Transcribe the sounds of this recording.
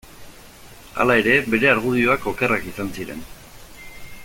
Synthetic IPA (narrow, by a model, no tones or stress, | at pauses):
a̰lae̞ɾe̞be̞ɾe̞aɾɣ̞uð̞io̞ako̞ke̞rakisansiɾe̞̰n